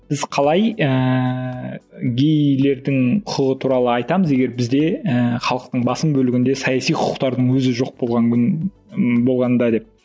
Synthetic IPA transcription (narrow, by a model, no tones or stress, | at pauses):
b̥ɪzqʰɑlˠɑjə | ɡʲejle̞ɾd̪ɪŋqʰʊqəʁət̪ʰuɾɑlˠəɑjt̪ɑməze̞ɡʲe̞ɾbɪzd̪e̞əχɑlˠəq̚t̪əɴbɑsəmbɵlɪɡʲɪnd̪esɑjɑsijqʰʊ̥qʊ̥qt̪ɑɾd̪əɴwɵzɪʒo̞q̚bolˠʁɑŋʲ | bo̞lˠʁɑnd̪ɑd̪e̞p̚